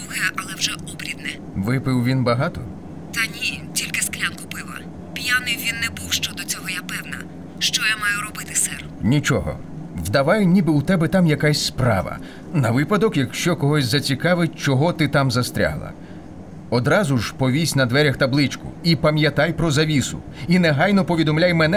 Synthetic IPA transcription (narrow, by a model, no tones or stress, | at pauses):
uɦɛʔɐlˠɛwʒɛɔbɾʲid̪nɛ | ʋɪpɪwʋʲinbɐɦɑt̪ɔ | t̪ɐnʲitʲilʲkɪsklʲankʊpɪʋɐ̰ | pʲjanɪwʋʲinːɛbuwʃt͡ʃɔd̪ɔt͡sʲɔɦɔjapɛwnɐ | ʃt͡ʃɔjamɑjʊɾɔbɪt̪ɪ̥sɛr | nʲit͡ʃɔɦɔ̰ | wd̪ɐʋɑjɛnʲibɪut̪ɛbɛt̪ɑmjɐkasʲspɾɑ̰ʋɐ̰ | nɐʋɪpɐd̪ɔkjɐkʃt͡ʃɔkɔɦɔsʲzɐt͡sʲikɑʋɪt̚ʲt͡ʃɔɦɔt̪ɪt̪ɑmzɐst̪ɾʲa̰ɦlˠɐ̰ | ɔd̪ɾɑzʊʒpɔʋʲisʲnɐd̪ʋɛɾʲɐxt̪ɐblˠɪt͡ʃkʊ̰ipɐmʲjɐt̪ɑjpɾɔzɐʋʲisʊ̰ | inɛɦɑjnɔpɔʋʲid̪ɔmlʲajmɛnɛ